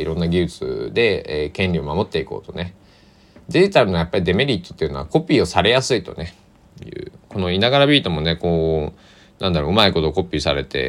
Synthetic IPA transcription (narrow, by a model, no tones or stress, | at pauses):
iɾõ̞nːaɡʲiɯt͡sɨ̰d̪e̞ːkẽ̞nʲɾʲio̞mamo̞t̪ːe̞iko̞̰ːt̪o̞ne̞ | d̪eʑit̪aɾɯnoajapːaɾʲid̪e̞me̞ɾʲit̪ːot̪ːeiɯ̟no̞ako̞pʲiːo̞saɾe̞jasɨit̪o̞̰ne̞ | jɯ̟̰ːko̞no̞inaɡaɾabʲiːt̪o̞mo̞ne̞ko̞ː | nãnd̪aɾoɯ̟maiko̞t̪o̞ko̞pʲiːsaɾe̞t̪e̞̰